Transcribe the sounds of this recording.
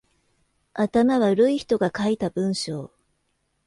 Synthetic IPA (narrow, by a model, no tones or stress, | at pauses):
at̪amaβaɾɯ̟içi̥t̪o̞ɡakait̪abɯ̟̃ɰ̃ɕo̞ː